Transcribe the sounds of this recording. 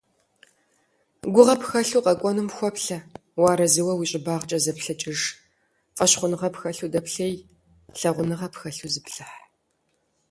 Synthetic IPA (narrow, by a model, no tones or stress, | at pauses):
ɡʷʊʁɐpxɐɬuːqʼɐkʷʼɔnɨmxʷɔpɬɐ | wɑːɾɐzɨwɐwiːɕʼɪbaːʁt͡ʃʼɐzɐpɬɐt͡ʃʼɪʐ | qʼɐɕχʷʊnɨʁɐpxɐɬudɐpɬɐj | ɬɐʁʷʊnɨʁɐpxɐɬuzɨpɬɨħ